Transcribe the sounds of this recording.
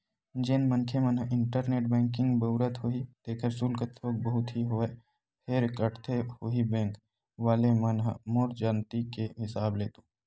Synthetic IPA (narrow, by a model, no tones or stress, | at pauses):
d͡ʒeːnmənkʰemənɦəʔɪɳʈəɾneːʈ̚bɛ̃ːŋkɪ̃ŋɡbəʊɾət̪ɦoɦit̪eːkʰəɾsuːlkət̪ʰːoːk̚bəɦʊt̪ɦiɦoe | pʰeːɾkəʈt̪ʰehoɦibɛ̃ːŋk | ʋaːlemɐnɦə̰moːɾd͡ʒaːnt̪ikeɦɪsaːbleːt̪oː